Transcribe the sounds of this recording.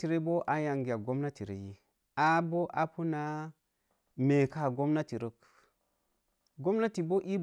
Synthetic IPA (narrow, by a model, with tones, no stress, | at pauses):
ti˨ɾe˦bo˦ʔa˨ja˨ŋɡi˨a˨ɡo˦mna˦ti˨ɾḛ˨ji˦ | a˦bo˦ʔa˨pu˦na˦ | me˨ka˦˨ɡo˦mna˦ti˨ɾo˦k | ɡo˦mna˦ti˨bo˦ʔi˦